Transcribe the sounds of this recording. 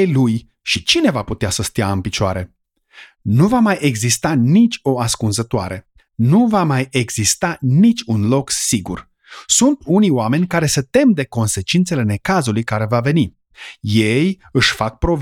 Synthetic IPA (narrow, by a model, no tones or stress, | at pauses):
luj | ʃit͡ʃine̞vaput̪easəst̪iaɨnpit͡ʃoa̰ɾe̞ | nuvamajʔe̞ɡzist̪anit͡ʃʲo̞askunzət̪oa̰ɾe̞ | nuvamaje̞ɡz̥ist̪anit͡ʃʲunlo̞ksiɡṵr | sunt̪unijoame̞nʲkaɾe̞sət̪e̞md̪e̞ko̞nse̞t͡ʃint̪se̞le̞ne̞kazulujkaɾe̞vave̞ni | je̞j | ɨʃfak̚pɾo̞v